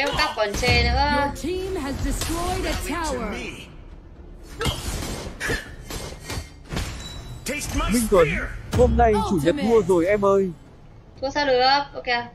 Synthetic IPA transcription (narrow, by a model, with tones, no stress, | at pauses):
e˧ka˦˥p̚kɔ˨˩nt͡ɕe˧˩nɨ̰˧˥˦jtʰimɦæzdɪ˨stɹɔ˧jdətʰawə˨ | mï˧ŋt̪wə˨˦nho˧mna˧jt͡ɕu˧˩ɲə˨˩t̚mu˧əzo˨˩jʔɛ˧mʔəː˧j | t̪ʰu˧˦əsaː˧wlɨ˨˧˨ʔo˧ke˧